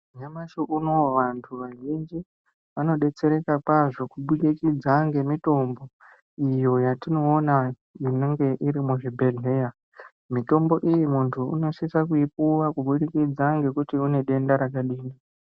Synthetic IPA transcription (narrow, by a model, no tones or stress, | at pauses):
uɲamaʃoʔunoʋantʰuʋaʒind͡ʒi | ʋano̞ɗe̞t͡se̞ɾe̞kakwaʐo̞kuɓuɗikid͡zaŋɡe̞mito̞mbo̞ | ijo̞jatino̞ːna | jineŋɡe̞ʔiɾimuʐibʱe̞ɮe̞ːja | mito̞mbo̞ʔijimuntʰuṵno̞sisakuipuwakuɓuɗikid͡zaŋɡe̞kutiune̞ɗe̞ndaɾakaɗiːnda